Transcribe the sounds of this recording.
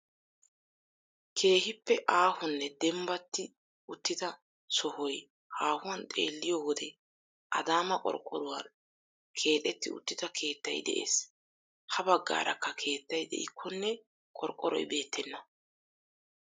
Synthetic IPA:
kʰe̞ːhɪpːɛʔaːhʊnːɛd̪ɛmbɐt̪ːɪ | ʊt̪ːɪd̪ɐ | sɔhɔj | haːhʊwɐnt̪ʼe̞̰ːlːɪjɔwɔd̪ɛ | ʔɐd̪aːmɐkʼɔ̰ɾkʼːɔɾʊwɐn | kʰe̞ːt̪ʼɛt̪ːɪʊ̰t̪ːɪd̪ɐkʰe̞ːt̪ːɐ̰jd̪ɛ̰ʔḛːs | hɐbɐɡːa̰ːɾʔɐ̰kːɐkʰe̞ːt̪ːɐjd̪ɛ̰ʔɪ̰kʰːɔnːɛ | kʼɔɾkʼːɔɾɔ̰jbe̞ːt̪ʰːɛnːɐ

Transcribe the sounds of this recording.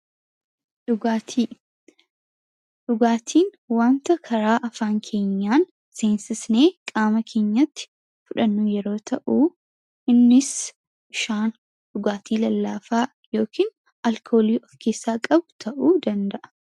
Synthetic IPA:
ᶑʊɡaːt̪ʰiː | ᶑʊɡaːt̪ʰiːn | waːnt̪ɐkʰɐɾaːʔɐfaːŋkʰe̞ːɲːaːn | seːnsɪsne̞ːkʼaːmɐkʰe̞ːɲːɐt̪ːɪ̥ | fʊᶑɐnːuːjɛɾo̞ːt̪ʰɐʔuː | ɪnːɪs | ɪʃaːn | ᶑʊɡaːt̪ʰiːlɐlːaːfaː | jo̞ːkʰiːn | ɐlkʰo̞ːliːʔɔfkʰeːsːaːkʼɐbʊt̪ʰɐʔuːd̪ɐnd̪ɐʔɐ̥

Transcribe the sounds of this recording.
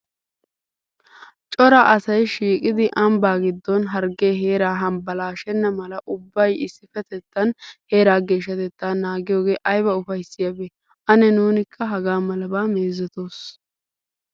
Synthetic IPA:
t͡ʃʼɔɾɐʔɐsɐjʃiːkʼɪd̪ɪʔɐmbaːɡɪd̪ːɔnɦɐɾɡeːɦe̞ːɾaːɦɐmbɐlaːʃɛnːɐmɐlɐʔʊbːɐjɪsːɪfɛt̪ɛt̪ːɐnhe̞ːɾaːɡe̞ːʃːɐt̪ɛt̪ːaːnaːɡɪjo̞ːɡe̞ːʔɐjbɐʊfɐjsːɪjɐbeː | ʔɐnɛnuːnɪkʰːɐɦɐɡaːmɐlɐbaːmeːzɛt̪o̞ːs

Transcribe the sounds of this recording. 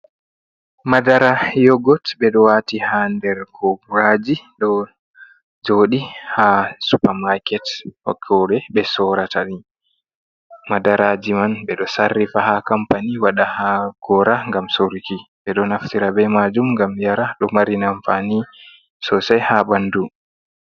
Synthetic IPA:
madaɾajɔɡɔtɓɛɗɔwatihandɛɾkʰɔbuɾad͡ʒiɗɔ | d͡ʒoːɗihasupamakɛthɔ̰kʰːɔɗɛɓɛsɔɾatʰaɗi | madaɾad͡ʒimanɓɛɗɔsarːifahakampaniwaɗahaɡ̥ɔɾaŋɡamsoɾikiɓɛɗɔnaftiɾabɛmad͡ʒumŋɡamjaɾaɗɔmaɾinamfani | sɔsɛjhabandu

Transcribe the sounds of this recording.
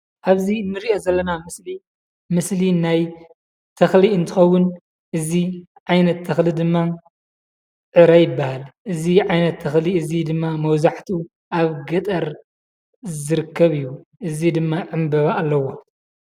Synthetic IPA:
ʔaβzinːɨɾiʔo̞zɐlːɐnamɨsli | mɨslinaj | t̪ʰɐxliɨnt̪ʰɨxɐwːʊn | ʔɨzi | ʕajnɐt̪ʰːɐxlid̪ɨmːa | ʕɨɾajɪbːahalʔɨziʕajnɐt̪ʰːɐxliɨzid̪ɨmːamɐwzaħt̪ʰu | ʔaβɡɐt̪ʼɐɾ | zɨɾɨkʰːɐβɨjːu | ʔɨzid̪ɨmːaʕɨmbɐβaːlːɐwo̞

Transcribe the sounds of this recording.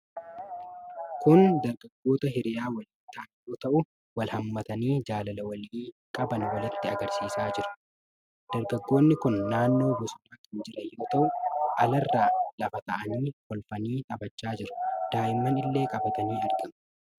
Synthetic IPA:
kʊnd̪ɐɾɡɐɡːo̞ːt̪ɐɦɪɾɪjaːwɐlɪt̪ːaːnjoːt̪ɐʔʊ | wɐlhɐmːɐt̪ɐniːd͡ʒaːlɐlɐwɐliːkʼɐbɐnwɐlɪt̪ːɪɐɡɐɾsiːsaːd͡ʒɪɾʊ̥ | d̪̥ɐɾɡɐɡːo̞ːnːɪkʊnːaːnːo̞ːbʊsʊnaːkɐnd͡ʒɪɾɐjo̞ːt̪ɐʔʊʔɐlɐrːaːlɐfɐt̪ɐʔɐniːhɔlfɐniːt̪ʼɐbɐt͡ʃːaːd͡ʒɪɾʊ̥d̪̥aːjɪmːɐnɪlːe̞ːkʼɐbɐt̪ɐniːɐɾɡɐmʊ̥

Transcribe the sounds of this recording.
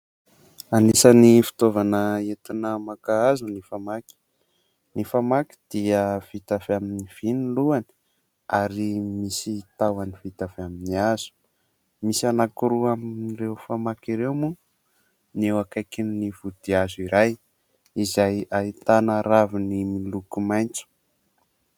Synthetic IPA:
anisənifi̥t̪ovanəet̪inəmakaazunifamaki̥ | nifamaki̥d̪̥iəv̥it̪afaminiv̥iniluani̥ | aɾimisit̪awanivit̪afaminiaz̥u̥ | misanakuɾuamnrewfamakiɾewmu | newakajkinivud̪̥iaziɾaj | izajait̪anaɾavinimilukumajnt͡su̥

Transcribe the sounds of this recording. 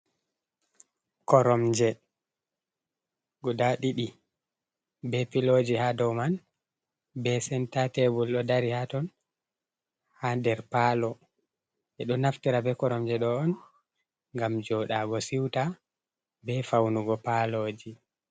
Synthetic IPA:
kɔɾɔmd͡ʒɛ | ɡɔdaɗiɗi | bɛpilod͡ʒihadɔwman | bɛsɛntatɛbulɗɔdaɾihatɔn | hadɛɾpalɔ | ʔɛɗɔnaftiɾabɛkɔɾɔmd͡ʒɛɗɔɔn | ŋɡamd͡ʒɔɗaɡɔsiwta | bɛfawnuɡɔpalod͡ʒi

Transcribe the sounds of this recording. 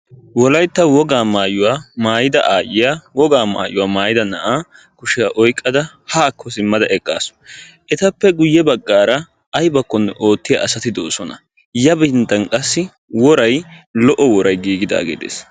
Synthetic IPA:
wɔlɐjt̪ːɐwɔɡaːmaːjʊwaːmaːjɪd̪ɐʔaːjɪjawɔɡaːma̰ːjʊwaːmaːjɪd̪ɐnɐ̰ʔaː | kʊʃɪjaːʔɔjkʼːɐd̪ɐ | haːkːɔsɪmːɐd̪ɐʔɛkʼːa̰ːs | ʔɛt̪ɐpːɛɡʊjːɛbɐɡːaːɾɐ | ɐjbɐkːɔnːɛʔo̞ːt̪ːɪja̰ʔɐsɐt̪ɪd̪o̰ːsɔnɐ̰ | jɐbɪnt̪ːɐnkʼɐsːɪ | wɔɾɐjlɔʔɔwɔɾɐjɡiːɡɪd̪a̰ːɡḛːd̪ḛːs

